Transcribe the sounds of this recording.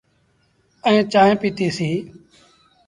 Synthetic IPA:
əẽːt͡ʃaːẽːpiːtiːsiː

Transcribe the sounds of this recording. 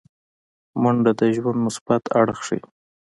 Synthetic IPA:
mʊɳɖad̪əʒwand̪mʊsbat̪ʰa̰ɽxʂḭ

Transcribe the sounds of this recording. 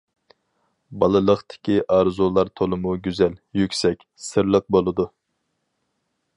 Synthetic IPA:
bɑlˠɨlˠəχt̪ʰɪ̥kʲiʔɑɾzulˠɑɾt̪ʰolˠɨmuɡʲyzɛljykʲsɛkʲsɨɾlˠəq̚bolˠɨd̪u

